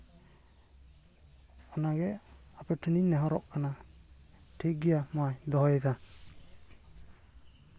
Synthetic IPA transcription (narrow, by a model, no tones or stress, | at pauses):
ɔnaɡɛapɛʈʰəninɛɦɔɾɔ̰ʔkʰana | ʈʰiɡijamajd̪ɔɦɔjɛt̪ʰa